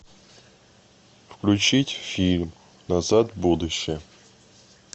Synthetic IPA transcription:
fklʲʉt͡ɕitʲfʲilʲm | nɐzat̪bud̪ʊɕːɪjə

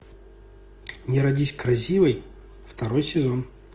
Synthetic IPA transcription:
nʲɪɾɐdʲisʲkɾɐsʲivɨj | ft̪ɐɾojsʲɪzon

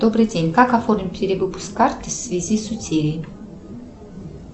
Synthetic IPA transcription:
d̪obrɨdʲenʲkakaformʲpʲeɾʲɪvɨpu̥skart̪ʲɨsʲsʲvʲɪzʲisut͡sʲʰeɾʲɪj

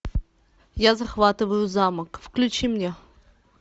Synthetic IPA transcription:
jazɐxvat̪ɨvəjʊzaməkfklʲʉt͡ɕimnʲe

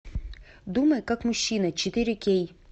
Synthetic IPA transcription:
d̪umɐjkakmʊɕːinɐt͡ɕɪt̪ɪɾʲɪkʲej

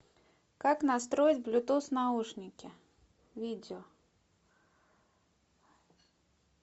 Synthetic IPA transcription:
kaknɐs̬t̪ɾoɪtʲblʲʊt̪usnauʂnʲɪkʲɪ | vʲidʲɪo

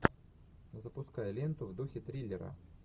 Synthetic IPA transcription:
zəpʊskajəlʲent̪ʊvd̪uxʲɪt̪ɾʲilʲɪɾə̰

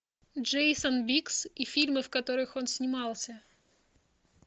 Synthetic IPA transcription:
ʐejsənbʲiksifʲilʲmɨfkɐt̪o̞ɾɨxo̞nsʲnʲɪmɑlˠsʲə

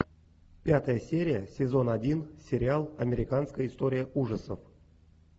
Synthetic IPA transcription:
pʲat̪əjəsʲeɾʲɪjəsʲezo̞nadʲinsʲeɾʲɪalˠɐmʲeɾʲɪkanskəjəist̪o̞ɾʲɪjəʔuʐəsəf

